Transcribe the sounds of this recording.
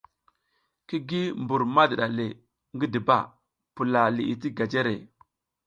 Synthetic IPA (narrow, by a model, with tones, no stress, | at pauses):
ki˦ɡi˦mbu˨ɾma˦di˨ɗa˨le˨ | ŋɡi˦di˨ba̰˦˨ | pu˨la˨li˨i˨ti˦ɡa˨d͡ʒe˦ɾḛ˨